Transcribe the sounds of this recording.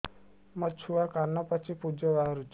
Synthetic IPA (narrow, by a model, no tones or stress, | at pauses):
mət͡ʃʰuakaɾnapət͡ʃʰipud͡ʒəʋaɦɾud͡ʒ